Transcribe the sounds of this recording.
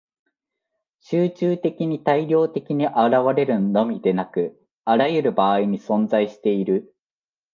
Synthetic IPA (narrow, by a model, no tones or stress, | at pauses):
ɕɨːt͡ɕɨːt̪e̞kʲiɲ̟it̪aiɾʲo̞ːt̪e̞kʲiɲ̟iʔaɾaβaɾe̞ɾɯ̟no̞mʲid̪e̞nakɯ̟ | aɾajɯ̟ɾɯ̟baːiɲ̟isõ̞nd͡zaiɕi̥t̪e̞iɾɯ̟